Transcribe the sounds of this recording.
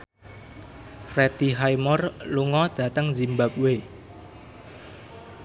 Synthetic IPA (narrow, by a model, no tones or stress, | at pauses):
rɛt̪iɦaimɔrluŋɔd̪̥ä̤t̪əŋzimbap̚we